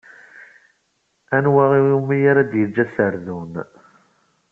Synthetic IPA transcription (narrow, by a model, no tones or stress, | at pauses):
ænwaʁiumːijaɾad̪jəd͡ʒːæsəɾðun